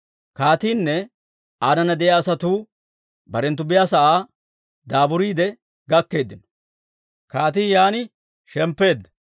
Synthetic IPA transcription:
kaːt̪iːnːɛ | aːnɐnɐd̪ɛʔjaːsɐt̪uː | bɐɾɛnt̪ʊbɪjaːsɐʔaː | d̪aːbʊɾiːd̪ɛ | ɡɐkːe̞ːd̪ːɪnɔ̥ | kaːt̪̬iːjaːnɪ | ʃɛmpːe̞ːd̪ːɐ

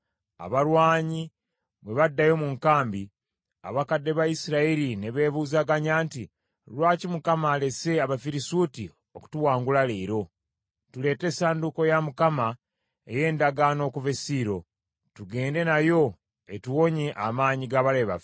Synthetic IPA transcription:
a̰βaɾwaːɲi | βwe̞βadːajo̞muŋkaːmbi | a̰βakadːe̞βajisiɾaiɾine̞βe̞ːβuːzaɡaɲaːnti | ɾwaːcimukamaːle̞se̞aβafiɾisuti | o̞ku̥tuwaːŋɡulaleiɾo̞ | tule̞ːte̞saːnduko̞jamukama | eje̞ːndaɡano̞ːkuvesiːɾo̞ | tuɡe̞ːnde̞najo̞ | etuwo̞ɲeʔamaːɲiɡaβaɾeβa̰f

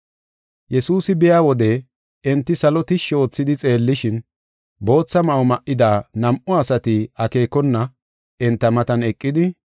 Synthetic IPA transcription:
jɛsuːsɪbɪjaːwɔd̪ɛ | ɛnt̪ːɪsɐlɔt̪ɪʃo̞ːt͡sːɪd̪ɪt͡sʼe̞ːlːɪʃɪn | bo̞ːt͡sːɐmɐʊmɐʔːɪd̪aːnɐmʔɔɐsɐt̪ɪɐke̞ːkɔnːɐ | ɛnt̪ːɐmɐt̪ɐnɛkʼːɪd̪ɪ

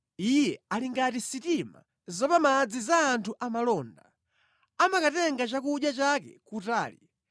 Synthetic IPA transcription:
ijɛaliŋɡatisitima̰ | zɔpamad͡zizaːntʰuʔamalɔːnda | amakatɛŋɡat͡ʃakuɗjat͡ʃakɛ̰kutaːlḭ

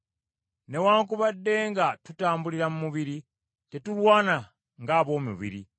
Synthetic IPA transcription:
ne̞waːŋk̬uβadːe̞ːŋɡatutaːmbuliɾamumuβiɾi | tetulwaːna | ŋɡaːβo̞ːmṵβḭɾḭ

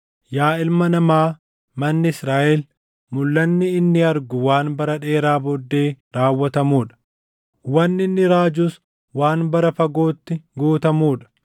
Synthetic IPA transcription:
jaːɪlmɐnɐmaː | mɐnːɪɪsɾaːʔɛl | mʊlːɐnːɪːnːɪɐɾɡʊwaːnbɐɾɐᶑe̞ːɾaːbɔd̪ːe̞ːɾaːwːɐt̪ɐmuːᶑɐ̥ | wɐnːɪnːɪɾaːd͡ʒʊs | waːnbɐɾɐfɐɡo̞ːt̪ːɪɡuːt̪ɐmuːᶑɐ̥

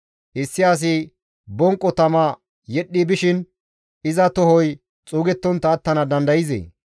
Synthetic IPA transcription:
ʔɪsːɪaːs̬ɪ | bɔŋkʼːɔt̪ɐmɐ | jɛɗːibɪʃɪn | ɪzɐt̪ɔɦɔj | t͡sʼuːɡɛt̪ːɔnt̪ːɐːt̪ːɐnɐd̪ɐnd̪ɐjɪzḛː

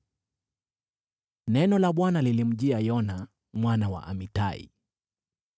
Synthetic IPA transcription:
nɛnɔlaɓwanalilim̩ʄiajɔna | mwanawa̰ʔa̰mitaḭ

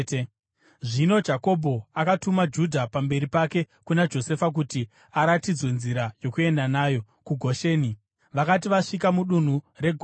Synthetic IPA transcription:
ʐino̞d͡ʒako̞bʱo̞akatumad͡ʒudʱapambe̞ɾipake̞ | kunad͡ʒo̞se̞fak̬uti | aɾatid͡zwe̞nziɾajo̞kue̞ndanaːjo̞ | kuɡʱo̞ʃeːni | ʋakat̬iʋaʂikamuɗun̤ure̞ɡʱ

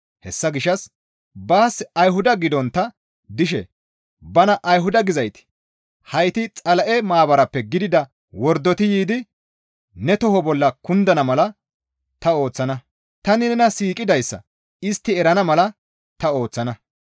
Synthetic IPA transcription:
hɛsːɐɡɪʃːɐs | baːsɐjɦʊd̪ɐɡɪd̪ɔnt̪ːɐ | d̪ɪʃ̬ɛ̰ | bɐnɐʔɐjɦʊd̪ɐɡɪzɐjt̪ɪ̥ | hɐjt̪ɪt͡sʼɐlɐʔɛmaːbɐɾɐpːɛɡɪd̪ɪd̪ɐ | wɔɾd̪ːɔt̪ɪjiːd̪ɪ | nɛt̪ɔɦɔbɔlːɐkʊnd̪ɐnɐmɐlɐ | t̪ɐo̞ːt͡sːɐnɐ | t̪ɐnɪnɛnɐsiːkʼɪd̪ɐjsːɐ̰ | ɪst̪ːɪɛɾɐnɐmɐlɐ | t̪ɐo̞ːt͡sːɐnɐ

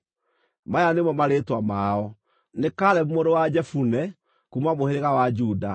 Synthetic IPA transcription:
majanemwɔmaɾeːtwamaːɔ | nekaɾɛmumoɾowad͡ʒɛfunɛ | kumwamoheɾeɣawad͡ʒuːda

